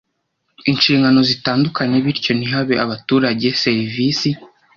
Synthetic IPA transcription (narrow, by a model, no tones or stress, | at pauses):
inʃiːŋɡano̞zitaːndukaɲe̞βiɾco̞niɦaβeʔaβatuːɾaɟe̞se̞ɾivisi